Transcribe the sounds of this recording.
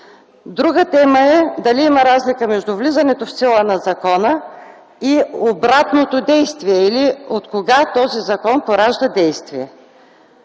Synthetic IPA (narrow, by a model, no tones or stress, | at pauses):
d̪ɾuɡət̪ɛməɛd̪ɐliimɐɾazlikəmɛʒd̪ʊvlizɐnɛt̪ofsilˠənɐzɐkɔnə | iobɾat̪not̪od̪ɛjst̪viɛiliot̪koɡat̪ɔzizɐkɔnpoɾaʒd̪əd̪ɛjst̪viɛ